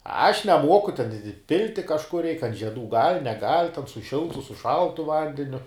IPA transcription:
ɐʃ nʲɛˈmuɔkʊ tʲɛn ɪ ˈpʲɪlʲtʲɪ kɐʃˈkʊr rʲɛɪk ɐnt ʒʲiɛˈduː ɡɐlʲ nʲɛˈɡɐlʲ tʲɛn sʊ ˈʃʲɪlˠtʊ sʊ ˈʃɐlˠtʊ ˈʋɐnʲdʲɛnʲʊ

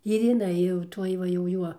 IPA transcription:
ɪr jɪˈnɐɪ jɛʊ ˈtuɔj ˈʋɐ jɛʊ ˈjuɔ

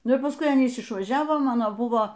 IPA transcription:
ˈnʊ ɪr pɐsˈkʊɪ ˈɑːnʲiːs ɪʃʋɐˈʒʲæːʋoː ˈmɑːnoː ˈbʊʋoː

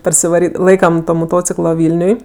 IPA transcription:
pɐrʲsʲɪʋɐˈrʲiː ˈlˠɐɪkɐm toː moːˈtoːt͡sʲɪklˠoː ˈʋʲɪlʲnʲʊj

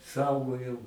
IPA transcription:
ˈsɐʊɡoːjɛʊ

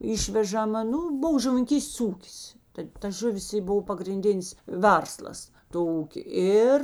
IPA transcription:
ˈɪʃʲʋʲɛʒɐmɐ ˈnuː ˈbʊw ʒʊʋʲɪnʲɪŋʲˈkʲiːsʲtʲeːs ˈuːkʲɪs tɐɪ tɐ ˈʒʊˌʋʲɪs ɪ ˈboːw pɐɡrʲɪnʲˈdʲɪnʲɪs ˈʋʲɛrslˠɐs toː ˈuːkʲeː ˈɪr

